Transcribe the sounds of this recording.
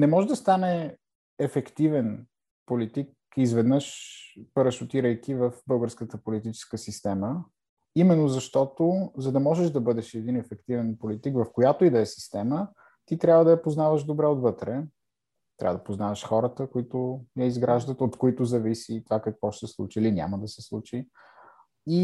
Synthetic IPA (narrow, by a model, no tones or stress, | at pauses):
nɛmɔʒɛd̪ɐst̪anɛ | ɛfɛkt̪ivɛn | polit̪ik̚ | izvɛd̪nəʃpəɾəʃʊt̪iɾəjkivəfbɤlˠɡəɾskət̪əpolit̪it͡ʃɛ̥skəsist̪ɛmə | imɛnːozɐʃt̪ɔt̪ozɐd̪ɐmɔʒɛʒd̪ɐbɤd̪ɛʃɛd̪inɛfɛkt̪ivɛnpolit̪ikvɐfkojat̪oid̪ɐɛsi̥st̪ɛmə | t̪it̪ɾʲabvəd̪ɐjɐpoznavəʒd̪obɾɛot̪vɤt̪ɾɛ | t̪ɾʲa̰vəd̪ɐpoznavɐʃxɔɾət̪əkoit̪ʊjɐizɡɾaʒd̪ət̪ot̪koit̪ʊzɐvisit̪ovakɐkvɔʃt̪ɛslˠṵt͡ʃiilinʲa̰məd̪ɐsɛslˠut͡ʃi | i